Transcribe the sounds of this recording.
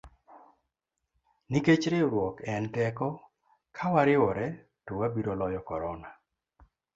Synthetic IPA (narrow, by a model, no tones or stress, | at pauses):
niket͡ʃɾeɾwɔkɛntɛkɔ | kʰawaɾɪwɔɾɛ | towabiɾolɔjɔkɔɾɔna